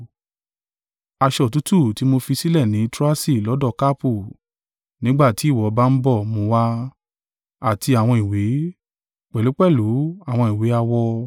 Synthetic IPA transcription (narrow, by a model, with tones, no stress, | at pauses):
a˧ʃɔ˨tu˨˦tu˦˨ti˨˦mo˧fi˧si˦lɛ˦˨nĩ˨˦tɾa˦si˦˨lɔ˨˦dɔ˦˨ka˦pu˦˨ | nĩ˨˦ɡ͡ba˦˨ti˨˦i˦˨wɔ˨˦ba˦n̩˦bɔ˦˨mõ˧wa˧ | a˨ti˧a˨w̃ɔ̃˧i˨we˨˦ | k͡pɛ˨lu˨˦k͡pɛ˦˨lu˨˦a˦˨w̃ɔ̃˧i˨we˨˦a˧wɔ˧